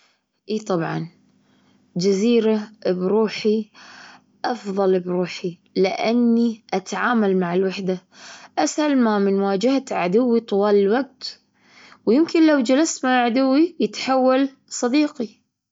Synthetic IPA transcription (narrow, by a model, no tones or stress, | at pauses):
ʔiːt̪ˤɑbʕɑ̰n | d͡ʒaziːɾabɾuːħi | ʔɑfðˤɑlbɾuːħi | lɪʔanːiʔat̪aʕaːmalmaʕɪlwaħd̪aʔashalmamɪnwaːd͡ʒɪahat̪ʕad̪ʊwːit̪ˤʊwɑːlɪlwaɡ̚t̪ | wjɪmkɪnlawd͡ʒalast̪maʕad̪ʊwːijɪt̪ħawːal | sˤɑd̪iːqi